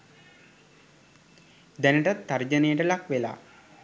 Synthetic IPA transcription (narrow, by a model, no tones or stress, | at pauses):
d̪ænəʈət̪ːaɾd͡ʒənejəʈəlakʋela̰ː